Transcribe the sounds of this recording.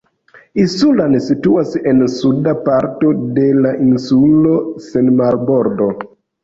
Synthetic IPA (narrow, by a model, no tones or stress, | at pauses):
isulansituase̞nsudapaɾto̞de̞laʔinsulo̞senmaɾbo̞ɾdo̞